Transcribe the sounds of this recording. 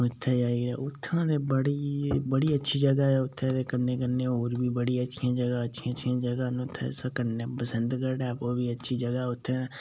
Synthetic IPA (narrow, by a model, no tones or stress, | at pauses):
ʊt̪ʰːeːd͡ʒaːeɡɛ̰ːʊt̪ʰːãːd̪eːbəɽiːbəɽiːətːʃʰiːd͡ʒəɡaːɛːʊt̪ʰːẽːɾeːkəɾneːkəɾneːɦoːɾbiːbəɽiːətːʃʰijãːd͡ʒəɡaːətːʃʰiəʃʰiãːd͡ʒəɡaːnʊt̪ʰːḛsaːkəɾneːpəsənd̪kəɾɖɛːpoːbiːətːʃʰiːd͡ʒəɡaːʊt̪ʰːẽː